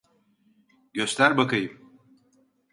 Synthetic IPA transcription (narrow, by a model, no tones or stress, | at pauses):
ɟ̥ø̞st̪ʲæɾbakajɯm